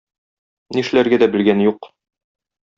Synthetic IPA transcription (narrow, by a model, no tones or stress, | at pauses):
niʃɘ̆læɾɡæd̪æbɘ̆lɡænjuq